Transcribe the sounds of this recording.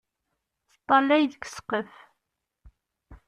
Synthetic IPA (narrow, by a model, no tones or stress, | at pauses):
θt̪ˤːɑlæjðəkːə̥sqəf